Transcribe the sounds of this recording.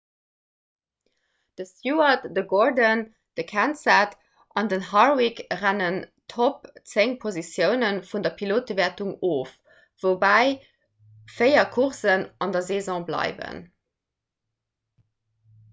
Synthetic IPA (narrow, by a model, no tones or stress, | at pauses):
d̥əsjuɐtdəɡoɹdən | d̥əkʰænsat | ʔɑndənɦɑʁwikʁænəntʰop̚t͡seŋpʰozisjəʊnənfundɐpʰiloːt̚əvɛɐtuŋoːf | v̥obæɪ | feɪɐkʰuʁsənɑndɐzeːzɔ̃ːblɑ̰ɪvə̰n